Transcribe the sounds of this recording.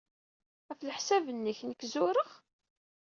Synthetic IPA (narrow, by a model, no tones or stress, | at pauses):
æfləħsævənːəçnəkːzʊɾəʁ